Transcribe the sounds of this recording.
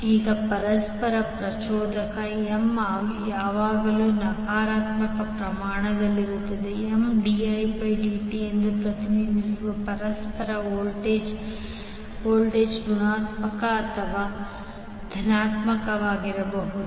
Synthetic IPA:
iːɡɐpɐɾɐspɐɾɐpɾɐt͡ʃɔːd̪ɐkɐemaːɡjaːʋaːɡɐluːnɐkaːɾaːt̪mɐkɐpɾɐmaːɳɐd̪ɐlːiɾut̪ːɐd̪eemɖiɐjpɐjɖiːʈiend̪upɾɐt̪inid̪ʱisuʋɐpɐɾɐspɐɾɐoːlʈeːd͡ʒ | oːlʈeːd͡ʒɡunaːt̪mɐkɐːt̪ʰɐʋaː | d̪ʱɐnaːt̪mɐkɐʋaːɡiɾɐbɐɦud̪u

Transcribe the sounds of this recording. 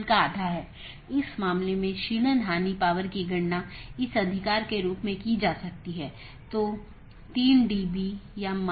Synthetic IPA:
lkaaːd̪ʱaɦɛː | ɪsmaːmlemẽʃiːñənɦaːnipaːʋəɾkiɡɐɽnaɪsɐd̪ʱɪkaːɾkeɾuːpmẽkid͡ʒaːsɐk̚t̪iɦɛː | t̪oː | t̪iːnɖiːbijam

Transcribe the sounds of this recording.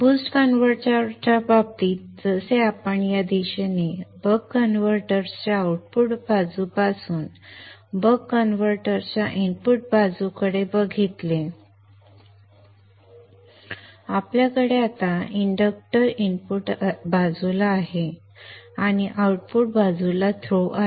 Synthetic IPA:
busʈkənʋəɾt͡ɕaɾt͡ɕabab̚t̪iːt̪̚d͡zəseapəɳjad̪eɕenebəɡənʋəɾʈəɾst͡ɕjaauʈ̚puʈbad͡zupasuːnbəɡkːənʋəɾʈəɾt͡ɕjaʔinpuʈ̚bad͡zukəɽebəɡʱit̪le | apljakəɽeat̪aiɳɖək̚ʈəɾinpuʈbad͡zulaːɦe | aɽ̃iʔauʈpuʈ̚bad͡zulat̪ʰɾoʔa

